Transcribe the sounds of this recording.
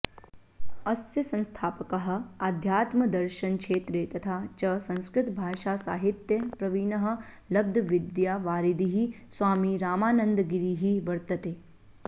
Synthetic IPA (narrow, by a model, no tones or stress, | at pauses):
ɐsjɐsɐ̃nst̪ʰaːpɐkɐɦɐ̆ad̪ʱjaːt̪mɐd̪ɐɾʃɐnkʂeːt̪ɾeːt̪ɐt̪ʰaːt͡ʃɐsɐ̃nskɾɪt̪bʱaːʃaːsa̰ːɦit̪jɐpɾɐʋiːnɐɦɐ̆ | lɐb̚d̪ʱɐʋid̪jaːʋaːɾid̪iɦi | swʋaːmiːɾaːmaːnɐnd̪ɡiɾiːɦiʋɐɾt̪ɐt̪eː